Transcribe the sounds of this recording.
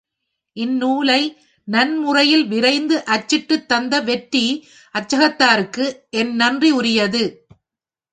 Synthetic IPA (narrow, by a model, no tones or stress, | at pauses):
ʔɪnːuːlɐɪ | nɐnmʊrɐjɪlʋɪɾɐɪnd̪ɯʔɐt͡ʃːɪʈːɯt̪ːɐnd̪ɐʋɛʈɾi | ʔɐt͡ʃːɐɣɐt̪ːaːɾɯkːɯʔɛnnɐndriʊɾɪjɐðɯ